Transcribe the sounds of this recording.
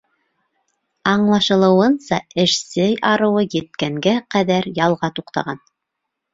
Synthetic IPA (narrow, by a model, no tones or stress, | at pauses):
ɑɴlˠɑʃɤ̆lˠɤ̆wɤnsɑ̰ɘ̆ʃsɘjɑɾɤ̆wɤjɘ̆t̪̚kæŋɡæqæðæɾjɑlˠʁɑt̪uqt̪ɑ̰ʁɑn